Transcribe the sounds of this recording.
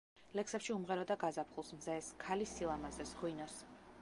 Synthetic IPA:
lɛksɛpʃiumʁɛɾɔd̪aɡazapʰχulˠsmzɛskʰalisilˠamazɛsɡwinɔs

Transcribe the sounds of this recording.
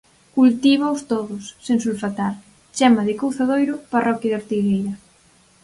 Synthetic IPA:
kult̪iβ̞aʊst̪oðʊsːensulfat̪al | t͡ʃɛmaðɪkowθaðojɾʊparʔɔkjaðoɾt̪iɣejɾɐ

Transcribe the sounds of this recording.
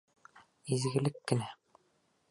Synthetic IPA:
izɡɘ̆lɘkːɘ̆næ

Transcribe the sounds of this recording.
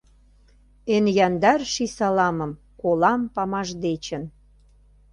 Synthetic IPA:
enjɑnd̪ɑrʃisɑlɑmə̆m | kolɑmpɑmɑʒd̪et͡ɕə̆n

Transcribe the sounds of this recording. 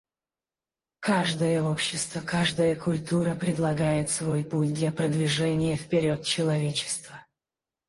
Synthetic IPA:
kaʐd̪əjəopɕːɪst̪vəkaʐd̪əjəkʊlʲt̪uɾəpɾʲɪd̪lˠɐɡajɪt̪svo̞jputʲd̪lʲɐpɾəd̪vʲɪʐɛnʲɪjəfpʲɪɾʲot̪̚t͡ɕɪlˠɐvʲet͡ɕɪ̥st̪və

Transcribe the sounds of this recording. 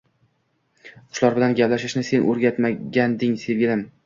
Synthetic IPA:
qʰʊ̥ʃlˠɒɾbɪlanɡʲaplaʃɪʃnɪse̞nʔɵɾɡʲat̪maɡʲand̪ɪŋse̞vɡʲɪlɪm

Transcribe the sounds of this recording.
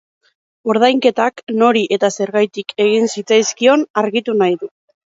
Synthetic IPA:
oɾð̞ajŋke̞t̪akno̞ɾiʔe̞t̪ase̞ɾɣajt̪ike̞ɣ̞insit͡sajskio̞naɾɣit̪unajðu

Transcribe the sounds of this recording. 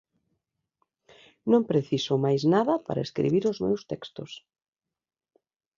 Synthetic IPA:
nõmpɾeθisomajznaðɐpa̰ɾaḛskɾḭβiɾʊzmḛwst̪ɛkst̪ʊs

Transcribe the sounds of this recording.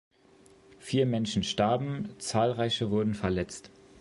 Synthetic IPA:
fiːɐmɛnʃn̩ʃtaɐbm̩t͡saːlʁaɪçəvʊɐdn̩fɛɐlɛt͡st

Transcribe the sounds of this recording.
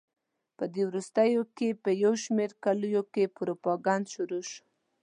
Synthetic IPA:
pəd̪ewɾust̪əjokepəjawʃmeɾkalujokepɾopɑɡand̪ʃuɾoʃ

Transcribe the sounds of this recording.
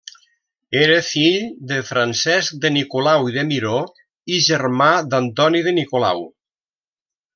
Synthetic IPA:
eɾəfiʎd̪əfɾansɛsk̚d̪ənikulawiðəmiɾo | iʒəɾmad̪ant̪ɔniðənikola̰w

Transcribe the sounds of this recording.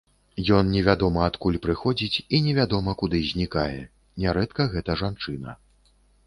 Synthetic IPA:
jɔnnʲɛvʲad̪ɔmɐat̪kulʲpɾɨxɔd͡zʲit͡sʲinʲɛvʲad̪ɔmɐkud̪ɨzʲnʲikajɛ̰ | nʲɛɾɛt̪kɐɣɛt̪ɐʐant͡ʂɨnɐ̰

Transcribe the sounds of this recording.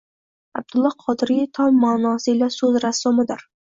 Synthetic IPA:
ab̚d̪ʊlˠːɒqʰɒd̪ɪɾit̪ʰɒmːaːnɒsɪlasɵzɾasːomɪd̪ɪɾ

